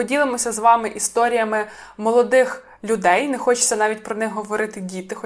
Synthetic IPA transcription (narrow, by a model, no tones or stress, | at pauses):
ɔdʲilˠɪmɔsʲɐzʋɑmɪʔist̪ɔɾʲijɐmɪmɔlˠɔd̪ɪx | lʲʊd̪ɛjnɛxɔt͡ʃɪ̥t͡sʲsʲɐnɑʋʲitʲpɾɔnɪxɦɔʋɔɾɪt̪ɪdʲit̪ɪx